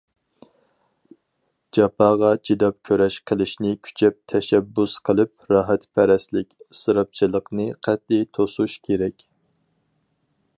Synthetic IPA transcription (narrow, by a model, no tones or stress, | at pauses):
d͡ʒɑpʰɑːʁɑt͡ʃʰid̪ɑp̚kʲʰøɾɛʃqʰəlˠɪʃnɪkʲʰy̥t͡ʃʰɛp̚t̪ʰɛʃɛbːusqʰəlˠɨp̚ɾɑːɦɛt̪pʰɛɾɛslɪkʲsɨɾɑp̚t͡ʃʰilˠəqnɨqʰæt̪̚it̪ʰosuʃkʲʰeɾɛkʲ